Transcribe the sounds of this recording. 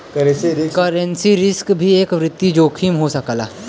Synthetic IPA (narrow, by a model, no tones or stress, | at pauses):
kɐɾsikɐɾə̃nsiɾɪskbʱieːkʋɾɪt̪ːjid͡ʒoːkʰimɦosɐkːla̰ː